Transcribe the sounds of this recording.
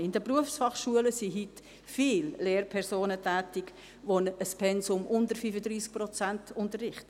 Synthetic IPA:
ɪndəpʁuəfsfɑχʃuələsiɦyt | fiːlleːɾpʰɛɾsoːnətʰæːtɪk | ʋonəspʰɛnsʊmʔʊndəɾfyfədɾiːsk̚pɾɔt͡sæntʊntərɪχtə

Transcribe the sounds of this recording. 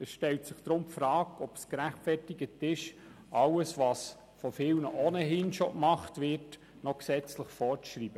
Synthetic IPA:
ɛsʃtɛltsɪχd̪̥ɾʊmpfɾɑːkɔpskɾæχtfɛrtɪɡətɪʃ | ʔɑwəsʋɑs | fɔfɪlnəʔoːnəɦɪnʃokmɑχtʋɪrt | nɔksɛt͡sləχfɔɾt͡sʃriːb̥ə

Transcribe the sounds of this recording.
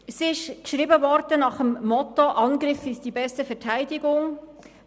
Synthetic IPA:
sɪʃkʃɾiːbəvɔɾdənɑχəmːɔt̪oʔɑnɡɾɪfɪsd̥ibɛstəfɛtʰæɪdɪɡʊŋ

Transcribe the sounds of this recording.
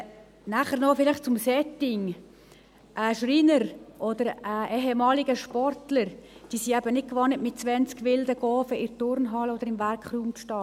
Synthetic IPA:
næχəɾnɔfɪlɪχt͡sʊmsɛtɪŋ | ʔaʃrinəɾʔodəɾɛʔɛɦɛmɑːlɪɡəʃpɔrtləɾd̥iːsiæbənɪt̚kʋɑnətmɪt̚t͡sʋɛnt͡skʋɪldəɡɔːfəɪɾtʊɾnɦɑlod̥̪əɾɪmvæɾkχruːmʃtɑː

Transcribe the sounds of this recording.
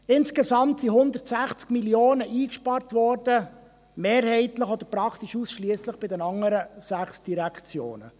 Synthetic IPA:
ɪnskezɑmtsiɦʊnd̪ərtsæχt͡skmiljoːnəʔiːkʃpɑrtvɔɾd̥ə | meːɾhɛɪt̪ləχɔd̥̪əɾpɾɑkʰt̪iʃusʃliəsləχb̥ɪdɛnɑŋːəɾəsæχsd̥iɾækʰt͡sjo̰ːnə̰

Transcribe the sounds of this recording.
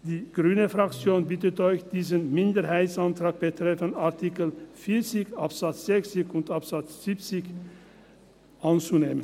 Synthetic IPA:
d̥iːɡ̥ʁyːnəfʁakt͡sjoːnbɪtətɔʏçd̥iːzənmɪndəʁɦaɪtsantʁ̥aːk̚b̥ətʁ̥ɛfənaɐtʰikəlfiːɐt͡sɪçapz̥at͡sz̥ɛçt͡sɪçʊntapz̥at͡sz̥ipt͡sɪç | ʔant͡suneːmən

